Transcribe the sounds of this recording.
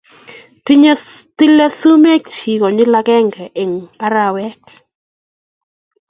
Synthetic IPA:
ti˦le˦su˦me˦k̚t͡ʃi˨kɔ˨ɲɪ˦la˦kɛ˦ŋɡɛ˨ʔe˨ŋpa˦ɾa˨wɛ˦t

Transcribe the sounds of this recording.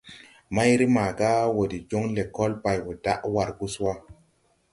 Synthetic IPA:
ma˦jɾi˦maː˨ɡa˦wo˨di˨d͡ʒo˦ŋle˨ko˦lpa˨jwo˨da˦ʔwa˨ɾɡu˦swa˦

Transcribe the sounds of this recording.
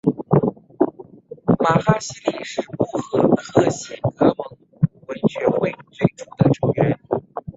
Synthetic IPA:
ma˨˩xa˥ɕi˧˥li˥˩ʂɻ̩˥˧pu˥˩xɤ˧˥xɤ˥˩ɕɛ˥˩nkɤ˧˥mɤ˧˥ŋ | we˧˥ɪt͡ɕɥɛ˧˥xwe˥˩ɪt͡swe˥˩ɪʈ͡ʂu˨˩d̪ə˦ʈ͡ʂo˨˩ŋɥɛ˧˥n

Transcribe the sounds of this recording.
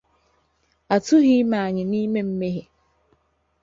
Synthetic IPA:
a˨tʰʊ˦ɦi˦mã˨ɲɪ̃˨nĩ˦mɛ̃˦m̩˦me˦ɦɛ˨

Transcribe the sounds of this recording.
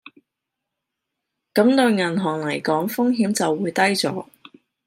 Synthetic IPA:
kɐ˨˥mt̪ɵ˧ɥŋɐ˨˩nɦɔː˨˩ŋlɐ˨˩jkɔː˨˥ŋfʊ˥ŋɦiː˨˥mt͡sɐ˨wːuː˨˧jt̪ɐ˥jt͡sɔ̰ː˨˥

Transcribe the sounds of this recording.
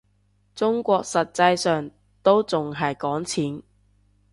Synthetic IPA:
t͡sʊ˥ŋkʷɔː˧k̚sɐ˨t̚t͡sɐ˧jsœː˨˩ŋ | t̪o˥wt͡sʊ˨ŋɦɐ˨jkɔː˨˥ŋt͡sʰiː˨˥n

